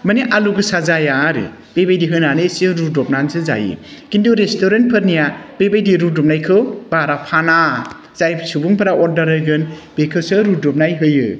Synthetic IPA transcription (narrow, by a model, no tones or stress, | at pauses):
maniʔaluɡɯsazajaɾɯ̰ | bebajdiɦɯnanɯsɯɾudɔp̚nansɯza̰jɯ̰kinduɾestʰoɾent̚pʰɯɾnijabebajdiɾudɔp̚najkʰɯwbaɾapʰana | zajbsubuŋpʰɯɾaʔɔɾdɐɾɯjɡɯnb̥ekʰɯsɯɾudɔp̚najɦɯjɯ